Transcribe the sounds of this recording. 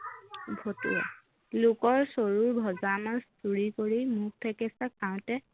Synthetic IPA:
bʱotḭa̰ | lʊkɔɹsoɹuɹbʱɔzamastuɹikoɹimuk̚tʰɛkɛsakaʊ̃tɛ

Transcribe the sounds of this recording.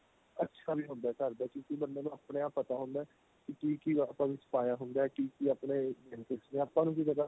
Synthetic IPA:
ətːʃʰaːbiːɦʊ̃nd̪aːkəɾd̪aːkjõːkibənːeːnũːapɳeapːət̪aːɦʊ̃nd̪aɛ | kɪkiːkiaːpãːʋɪspaːjaːɦʊnd̪aːɛːkiːkiaːpneːɛnkɪsnẽːaːpãːnũːkid͡ʒəd̪aː

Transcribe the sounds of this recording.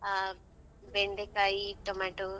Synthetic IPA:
a | beɳɖekait̪omaʈo

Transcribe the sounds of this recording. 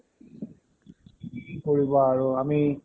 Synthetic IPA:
poɾibaɾoami

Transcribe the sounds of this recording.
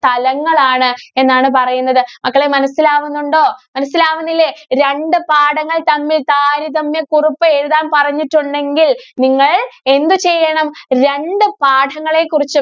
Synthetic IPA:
t̪ɐlɐŋːɐɭaːɳɨe̞nːaːɳɨp̬ɐrɐjunːɐðɨmɐkːɐɭemɐnɐsːilaːʋunːuɳɖo̞ːmɐnɐsːilaːʋunːilːeɾe̞ɳɖɨpaːɽɐŋːɐɭt̪ɐmːilt̪aːɾiðɐmːekuripːɨeɻuðaːmpɐrɐɲːiʈːuɳɖe̞ŋɡilniŋːɐɭe̞nd̪ut͡ɕejːɐɳɐmɾe̞ɳɖɨpaːɖʰʱɐŋːɐɭe̞ːkːurit͡ɕːu

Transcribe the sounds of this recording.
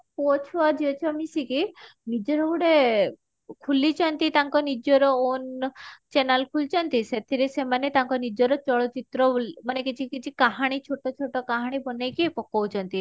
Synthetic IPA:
pot͡ʃʰɔad͡ʒiot͡ʃʰmisikinid͡ʒɔɾɔbuɽe | kʰulit͡ʃʰɔnt̪it̪aŋkɔnid͡ʒɔɾɔont͡ʃenalkʰult͡ʃʰɔnt̪iset̪ʰiɾesemanet̪aŋkɔnid͡ʒɔɾɔt͡ʃɔɭɔt͡ʃit̪ɾɔmanekit͡ʃʰikit͡ʃʰikaɦaɽ̃it͡ʃʰoʈːɔt͡ʃʰoʈɔkaɦaɽ̃ibɔnejkiepɔkːɔwt͡ʃʰɔnt̪i

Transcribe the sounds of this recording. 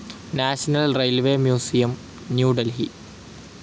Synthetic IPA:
naːɕɐnɐlrejlʋeːmjuːsijɐm | njuːɖɐlɦi

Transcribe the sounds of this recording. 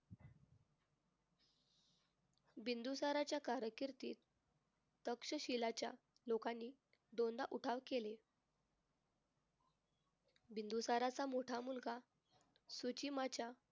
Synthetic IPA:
bind̪usaɾat͡ɕjakaɾəkiɾt̪iːt̪̚ː | əkʂəɕilat͡ɕja̰ | lokanːiː | ɖond̪aʔuʈʰaʋkele | bind̪usaɾat͡samoʈʰamulɡa | sut͡ɕimat͡ɕja

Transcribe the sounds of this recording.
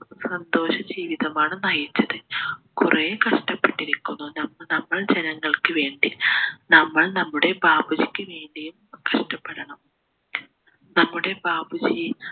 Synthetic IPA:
sɐnd̪o̞ːɕɐd͡ʑiːʋiðɐmaːɳɨnɐjit͡ɕːɐðɨkureːkɐʂʈɐpːeʈːiɾikʲːunːunɐmːnɐmːɐɭd͡ʑenɐŋːɐɭkɨʋe̞ːɳɖinɐmːɐɭnɐmːuɽe̞baːbud͡ʑikʲːɨʋe̞ːɳɖijumkɐʂʈɐpːeɾɐɳɐm | nɐmːuɽe̞baːbud͡ʑi

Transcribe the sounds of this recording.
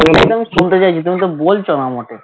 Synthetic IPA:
eʈat̪oamiʃunt̪et͡ɕajt͡ɕʰit̪umit̪̬obolt͡ɕʰonamoʈe

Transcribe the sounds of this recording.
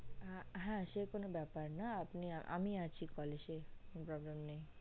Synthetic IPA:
ɦɛ̃ʃekonobɛpaɾnaapniaʔa̰miat͡ɕʰikɔleʃekonpɾɔblemnej

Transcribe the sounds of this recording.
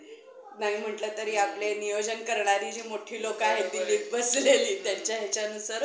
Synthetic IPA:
naɦiːm̤əʈlət̪əɾiːaplenijod͡ʑənkəɾɳaɾiːd͡ʑiːmoʈʰiːlokaɦed̪iliːbəsleliːt̪jat͡ɕjaɦet͡ɕaənusəɾ

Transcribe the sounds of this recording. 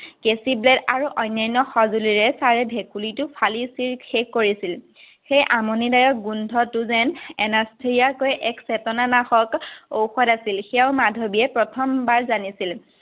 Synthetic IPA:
kesiblɛdaɹuʔɔjnːajnɔxɔzuliɹɛsaɹɛbʱekulitʊpʰalisiɹxekːoɹisil | xejʔamonidajɔk̚ɡundʱɔtʊzɛnɛnastʰeiakojʔɛksɛtɔnanaxɔkowxɔdasilxɛjaʊmadʱobiɛpɹɔtʰɔmbaɹzanisil

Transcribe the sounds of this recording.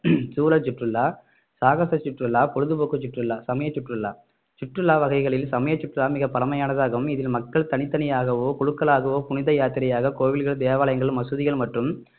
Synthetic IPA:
suːlɐt͡ʃɪʈrɯlːaː | saːɣɐsɐt͡ʃːɪʈrɯlːaːpɔɻɯðɯpoːkːɯt͡ʃɪʈrɯlːaːsɐmɐjɐt͡ʃːɪʈrɯlːaː | t͡ʃɪʈrɯlːaːʋɐɣɐɪɣɐɭɪlsɐmɐjɐt͡ʃːɪʈrɯlaːmɪɣɐpɐlɐmɐjaːnɐðaːɣɐʋɯmɪðɪlmɐkːɐɭt̪ɐnɪt̪ːɐnɪjaːɣɐʋoːkʊɻɯkːɐɭaːɣɐʋoːpʊnɪðɐjaːt̪ɪɾɐjaːɣɐkoːʋɪlɣɐɭd̪eːʋaːlɐjɐŋɡɐɭɯmɐsɯðɪɣɐɭmɐʈrɯm

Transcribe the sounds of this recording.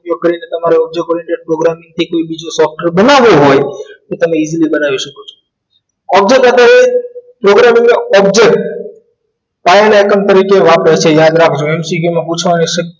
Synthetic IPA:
jokəɾinet̪ɐmaɾeɔb̚d͡ʒek̚oːɾẽɳʈeɖ̚pɾoɡɾamɪ̃ŋɡ̚t̪ʰikoːibid͡ʒosɔːfʈəɾbənaʋoɦojt̪ot̪ɐmẽizlibənaʋiʃəkot͡ʃʰo̥ | ɔb̚d͡ʒek̚t̪ət̪aɾepɾoɡɾamɪ̃ŋɡmeɔb̚d͡ʒek̚ʈ | paenajkəmt̪əɾiːkeʋapɾət͡ʃʰejaːd̪ɾakʰd͡ʒʰoɛmsiɡjomẽɦut͡ʃʰʋaniʃək

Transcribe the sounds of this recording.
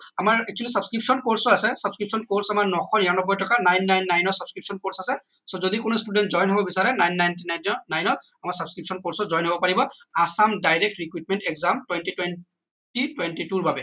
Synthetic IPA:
amaɹɛk̚t͡ʃualisabskɹip̚sɔnkoɹsɔasɛsabskɹipsɔnkoɹsamaɹnɔxʰɔnɛaɔnɔbɔjtɔkanajnːajnːajnɔsabskɹipsɔnkoɹsasɛ | sɔzodikʊnostudɛntzɔjnɦɔbɔbisaɹɛnajnːajnt̬inajnɔnajnɔt̚amaɹsabskɹip̚sɔnkoɹsɔzɔjnɦobɔpaɹibɔ | asamdajɹɛk̚tɹikwut̚mɛntɛkzamtwɛntitwen | titwentituɹbabɛ

